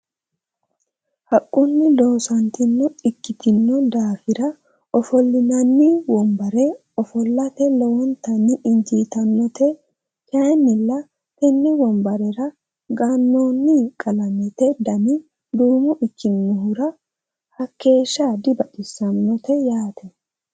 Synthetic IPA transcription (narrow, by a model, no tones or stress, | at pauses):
hɐkʼːʊnːɪlo̞ːsɐnt̪ɪnːɔɪkːɪt̪ɪnːɔd̪aːfɪɾɐ | ɔfɔlːɪnɐnːɪwɔmbɐɾɛ | ɔfɔlːɐt̪ɛlɛwɔnt̪ɐnːɪʔɪnd͡ʒiːt̪ɐnːɔt̪ɛ | kɐnːɪlːɐ | t̪ɛnːɪwɔmbɐɾɛɾɐ | ɡɐnːoːnːɪkʼɐlɐnɛt̪ɛd̪ɐnɪ | d̪uːmʊʔɪkːɪnːɔhʊɾɐ | hɐkːe̞ːʃːaːd̪ɪbɐʔɪsɐnːɔt̪ɛjaːt̪ʰɛ